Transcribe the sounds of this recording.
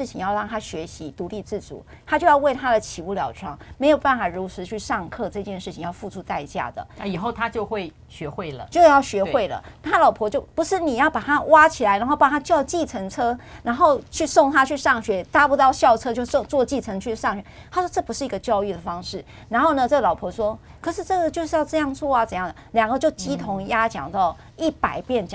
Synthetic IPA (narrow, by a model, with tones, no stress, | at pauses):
ɻ̩˥˩t͡ɕʰi˨˥ŋjɑ˥˧ʊɻɑ˥˩ŋt̪ʰa˥ɕɥɛ˧˥ɕi˧˦˥t̪u˧˥li˥˧t͡sɹ̩˥˩t͡sṵ˨˩˦ | t̪ʰa˥t͡ɕjo˥˧ʊjɑ˥˧ʊwe˥˩ɪt̪ʰa˥d̪ə˨t͡ɕʰi˨˩u˥˩ljɑ̰˨˩ʊʈ͡ʂʰwɑ˥˩ŋme˧˥ɪjo˨˩ʊpa˥˩nfa˨˩ɻu˧˥t͡sʰɹ̩˧˥t͡ɕʰy˥˧ʂɑ˥˧ŋkʰɤ˥˧ʈ͡ʂɤ˥˧t͡ɕjɛ˥˧nʂɻ̩˥˩t͡ɕʰi˨˩ŋjɑ˥˧ʊfu˥˧ʈ͡ʂʰu˧˥t̪a˥˧ɪt͡ɕja̰˥˩d̪ə̰˩a˥i˨˩xo˥˩ʊt̪ʰa˦t͡ɕjo˥˧ʊxwe˥˩ɪ | ɕɥɛ˧˥xwe˥˩ɪlə̰˩t͡ɕjo˥˧ʊ˥˦jɑ˥˩ʊɕɥɛ˧˥xwe˥˩ɪlə̰˩n˥˩t̪ʰa˥lɑ˨˩ʊpʰwɔ˧˥t͡ɕjo˥˩ʊpu˧˥ʂɻ̩˥˩ni˨˩jɑ˥˩ʊpa˨˩t̪ʰa˥wa˥t͡ɕʰi˨˩la˧ɪa˧˥xo˥˧ʊpɑ˥˩ŋt̪ʰa˥t͡ɕjɑ˥˧ʊ˥t͡ɕi˥˩t͡sʰə˧˥ŋt͡sʰɤ˥ɻa˧˥nxo˥˧ʊt͡ɕʰy˥˧sʊ˥˩ŋt̪ʰa˥t͡ɕʰy˥˧ʂɑ˥˩ŋɕɥɛ˧˥t̪a˥pu˧˥t̪ɑ˥˧ʊɕjɑ˥˧ʊʈ͡ʂʰɤ˥t͡ɕjo˥˧ʊso˥˧ŋt͡swɔ˥˧t͡ɕi˥˩t͡sʰə˧˥ŋt͡ɕʰy˥˧ʂɑ˥˩ŋɕɥɛ˧˦ | a˥swɔ˥ʈ͡ʂɤ˥˩pu˧˥ʂɻ̩˥˩i˧˥ɡə˧t͡ɕjɑ˥˧ʊy˥˩d̪ə˩fɑ˥ŋʂɻ̩˥˩ | na˧˥nxo˥˩ʊnə˨ʈ͡ʂɤ˥˩ɡə˨lɑ˨˩ʊpʰɔ˧˥ʂwɔ˥kʰɤ˨˩ʂ̬ɻ̩˥˧ʈ͡ʂɤ˥˩ɡə˨˩t͡ɕjo˥˧ʊʂɻ̩˥˧jɑ˥˧ʊʈ͡ʂɤ˥˧jɑ˥˧ŋt͡swɔ˥˩a˨t͡sə˨˩˦jɑ˥˩ŋdə˩ljɑ˨˩ŋɡə˦t͡ɕjo˥˩ʊt͡ɕi˥t̪ʰʊ˧˥ŋja˥t͡ɕjɑ̰˨˩ŋt̪ɑ˥˩ʊ | i˥˩pa˨˩ɪpjɛ˥˩nt͡ɕ